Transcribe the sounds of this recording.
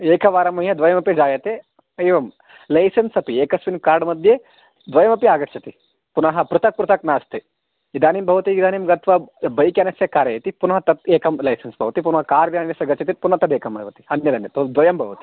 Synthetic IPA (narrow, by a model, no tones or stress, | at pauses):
eːkʰɐʋaːɾɐmɐijɐd̪ʋɐjɐmɐpid͡ʒaːjɐt̪e | ɐjʋɐm | lɐjsɐnsɐpieːkɐsʋinkaːɾɖmɐd̪ʱje | d̪ʋɐjɐmɐpiaːɡɐtt͡ʃʰɐt̪i | punɐɦɐ̆pɾɨt̪ɐk̚pɾut̪ɐknaːst̪e | id̪aːnimbʱɐʋɐt̪iʋid̪aːnimɡɐt̪ʋɐbɐjkʲjaːnɐsjɐkaːɾɐjɐt̪ipunɐɦɐt̪ɐt̪̚eːkɐmlɐjsɐnsbʱɐʋɐt̪ipunɐɦɐkaːɾʋd̪aːnjɐsɐɡɐtt͡ʃʰɐt̪ipunɦɐt̪ɐd̪eːkɐmɐjʋɐt̪i̥ɐnjɐd̪ɐnjɐt̪od̪ʋɐjɐmbʱɐʋɐt̪i̥